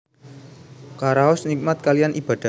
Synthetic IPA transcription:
kaɾaɔsnik̚mat̪̚kalijanʔib̥a̤d̥a

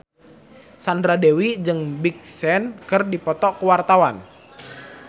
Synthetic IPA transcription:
sandɾadewid͡ʒɨŋbik̚sɛnkɨrdipɔt̪ɔkəwart̪awan

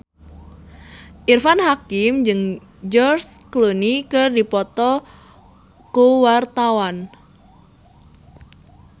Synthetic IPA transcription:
ʔirfanhakɪmd͡ʒɨŋ | d͡ʒɔrsklonikɨrdipɔt̪ɔ | kowart̪awan

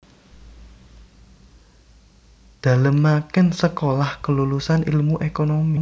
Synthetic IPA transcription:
d̪̥ä̤ləmːakɪnsəkolahkəlulusanilmuʔekonomi

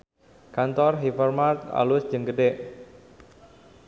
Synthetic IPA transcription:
kant̪ɔrɦifərmart̪a̰lʊsd͡ʒəŋɡəɖeʔ

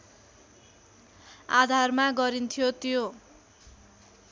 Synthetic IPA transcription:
a̰d̪ʱarmaɡʌɾint̪ʰijot̪ijo

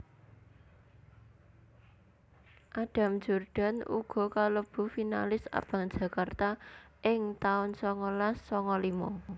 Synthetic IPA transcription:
ʔaɖ̥a̤m̥d͡ʒ̥urɖ̥a̤nṵɡ̥ɔ̤kaləb̥ṳfinalɪsa̰b̥ä̤ŋd̥d͡ʒ̥ä̤kart̪a | ʔɪŋt̪aʊnsɔŋɔlasːɔŋɔlimɔ̰

